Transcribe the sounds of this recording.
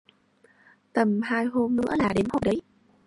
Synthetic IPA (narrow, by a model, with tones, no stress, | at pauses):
t̪ə˨˩mhaː˧jɦo˧mnɨ̰˧˥əlaː˨˩ɗe˨˦mho˨˩jɗə˨˦j